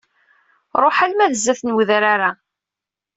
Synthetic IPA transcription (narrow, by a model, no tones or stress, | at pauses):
ɾˤoħalmæðəzːæθnwðɾaɾa